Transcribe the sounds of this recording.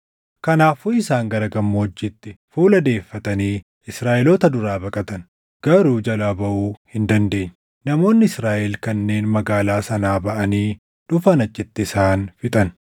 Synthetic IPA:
kɐnaːfuːɪsaːŋɡɐɾɐɡɐmːoːd͡ʒːɪt̪ːɪfuːlɐd̪e̞ːfːɐt̪ɐniː | ɪsɾaːʔɛloːt̪ɐd̪ʊɾaːbɐkʼɐt̪ɐn | ɡ̥ɐɾuːd͡ʒɐlabɐʔuːhɪnd̪ɐnd̪e̞ːɲː | nɐmo̞ːnːɪɪsɾaːʔɛlkɐnːe̞ːnmɐɡaːlaːsɐnaːbɐʔɐniː | d̪̥ʊfɐnɐt͡ʃʼːɪt̪ːɪːsaːnfɪt̪ʼɐn

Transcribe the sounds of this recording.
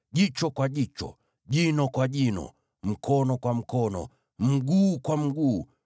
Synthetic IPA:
ʄit͡ʃɔkwaʄit͡ʃɔ̰ | ʄinɔkwaʄinɔ̰ | m̩kɔnɔkwam̩kɔnɔ̰ | m̩ɡuːkwam̩ɡuː

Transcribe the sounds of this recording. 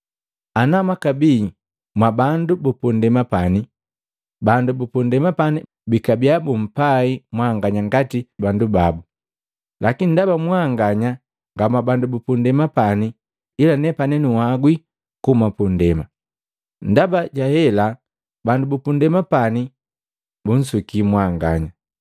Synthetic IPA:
anamakabi | mwabandubupundɛmapani | bandubupundɛmapani | bikabiabum̩paimwaŋɡaɲaŋɡatibandubabu | lakinindabamwaŋɡaɲa | ŋɡamabandubupundɛmapani | ilanɛpanɛnuwaɡwi | kumapundɛma | ndabaɟahɛla | bandubupundɛmapani | bun̩sukimwaŋɡa̰ɲa

